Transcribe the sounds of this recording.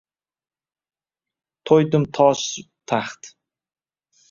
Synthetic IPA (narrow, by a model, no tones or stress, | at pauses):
t̪ʰojd̪ʊmt̪ʰɒʃt̪ʰaχt̪